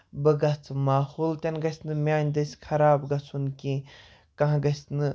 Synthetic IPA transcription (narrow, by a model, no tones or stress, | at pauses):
bɨɡɐt͡sʰɨmaːhult̪ʲɐnɡɐsʲnɨmʲaːnʲd̪ɐsʲkʰɐɾaːbɡɐt͡sʰunkĩ | kɐ̃ɦãɡɐsnɨ